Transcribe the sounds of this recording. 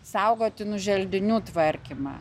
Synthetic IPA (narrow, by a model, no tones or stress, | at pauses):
sɐʊɡoːt̪ʲɪnʊʒʲɛlʲd̪ʲɪnʲuːt̪ʋɐɾʲkʲimɑ̰ː